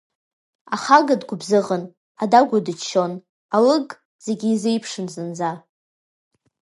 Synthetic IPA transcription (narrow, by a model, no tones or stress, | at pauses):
aχaɡadɡʷʊbzɨʁən | adaɡʷʊdɨt͡ʃʰːo̞n | alɨɡʼ | z̥e̞ɡʲiizejpʰʂɨnzɨnza